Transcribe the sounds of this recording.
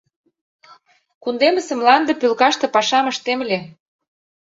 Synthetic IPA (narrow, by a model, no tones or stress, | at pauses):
kund̪emə̆sə̆mlɑnd̪ɤ̆pylkɑʃt̪ɤ̆pɑʃɑmə̆ʃt̪emlʲe